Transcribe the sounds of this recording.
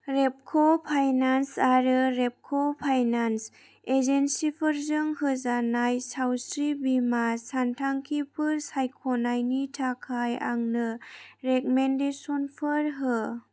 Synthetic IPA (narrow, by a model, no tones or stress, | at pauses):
ɾep̚kʰopʰajnansaɾɯɾep̚kʰɔpʰajnans | ezensipʰɯɾzɯŋɦɯzanajsawsɾibimasantʰaŋkʰipʰɯɾsajkʰɔnajnitʰakʰaja̰ŋnɯɾekmendesɔnpʰɯɾɦɯ